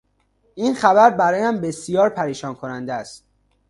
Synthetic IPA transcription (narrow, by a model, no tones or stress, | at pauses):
ʔiːnxæbæɾbæɾɒːjæmbe̞sijɒːɾpʰæɾiːʃɒːnkʰonænd̪ææst̪